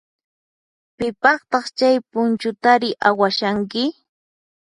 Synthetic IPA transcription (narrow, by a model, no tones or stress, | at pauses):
pɪpɑχt̪ɑχt͡ʃajpʊnt͡ʃʊt̪aɾɪʔawaʃaŋkɪ